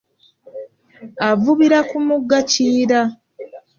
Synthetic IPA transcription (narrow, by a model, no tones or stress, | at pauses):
avuβiɾakumuɡːaciːɾa